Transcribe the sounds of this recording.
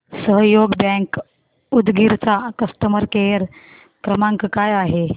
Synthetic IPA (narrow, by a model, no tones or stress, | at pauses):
səɦjoɡbɛ̃k | ud̪ɡiɾt͡sakəst̪əməɾkeɾ | kɾəmãŋkkajaɦe